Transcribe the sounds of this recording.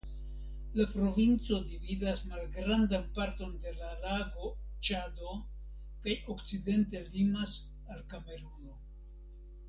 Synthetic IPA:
lapɾo̞vint͡so̞dividasmalɡɾandanpaɾto̞nde̞lalaɡo̞t͡ʃado̞ | kajo̞kt͡side̞nte̞limas | alkame̞ɾuno̞

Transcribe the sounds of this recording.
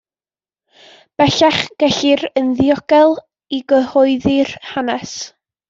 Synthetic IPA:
b̥ɛɬaχɡ̥ɛɬɪɾənðjɔɡ̥ɛlˠ | iɡəhɔɨðɪrhanɛs

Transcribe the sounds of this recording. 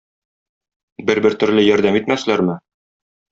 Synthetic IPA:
bɘɾbɘɾt̪ɵ̆ɾlɘjɒɾd̪æmit̪mæslæɾmɘ

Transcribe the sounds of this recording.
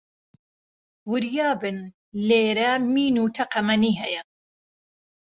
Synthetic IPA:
wʊɾjɑːbɨn | leːɾɐmiːnuːt̪ʰɐqɐmɐniːɦɛjɐ

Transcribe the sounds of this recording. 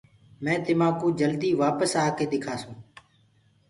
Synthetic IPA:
mɛ̃ːt̪ɪmaːkũːd͡ʒəld̪iːʋaːpəsaːkeːɗ̪ɪkʰaːsũː

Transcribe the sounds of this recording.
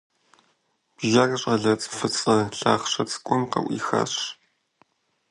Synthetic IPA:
b̥ʒɐrɐɕʼɐɮɐt͡sʼfɨt͡sʼɨɬaːχɕɐt͡sʼkʷʼɔnqɐ̰ʔʷḭːxa̰ːɕ

